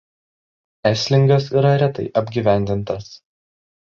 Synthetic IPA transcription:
æsʲlʲɪŋɡɐsiːɾɐɾʲæt̪ɐɪʔɐbʲɡʲiːʋʲæˑnʲd̪ʲɪnt̪ɐs

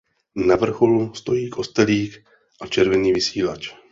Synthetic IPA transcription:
navr̩xo̞lust̪o̞jiːkʰo̞st̪ɛliːk | ʔat͡ʃɛɾvɛniːvɪsiːlat͡ʃ

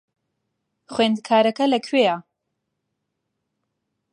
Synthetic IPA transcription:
χweːnd̪kʰaːɾɐkʰɐlɐkʰwea

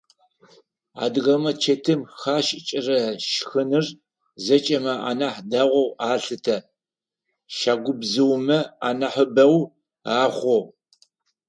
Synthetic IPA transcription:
a̰ːdɨʁɐmɐt͡ʃʰetʰɨmxaːʃʼɪt͡ʃʼɪrɐʃxɨnɨr | zɐt͡ʃʼɐmɐa̰ːnɐħdaːʁʷɔwaːɬɨtʰɐ | ʃaːɡʷʊbzɨwmɐa̰ːnɐħəbɐw | aːχʷɔw

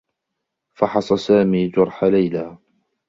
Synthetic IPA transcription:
fɑħɑsˤɑsaːmiːd͡ʒʊɾˤħalajlaː

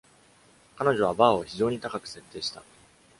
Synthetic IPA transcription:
kano̞ʑo̞β̞abaːo̞çiʑo̞ːɲ̟it̪akakɯ̟̥se̞t̪ːeːɕi̥t̪a

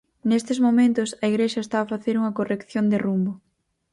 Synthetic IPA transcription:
nest̪ɪzmomẽnt̪ʊsɐiɣɾeʃɐest̪aːfaθeɾuŋɐkorekθjond̪ɪrumbʊ

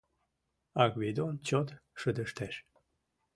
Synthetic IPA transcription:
ɑɣβed̪ont͡ɕot̪ʃəd̪əʃt̪æʃ

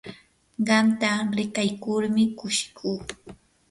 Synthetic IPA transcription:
ɢɑmt̪aɾɪkajkʊɾmɪkʊʃɪ̥kʰuː

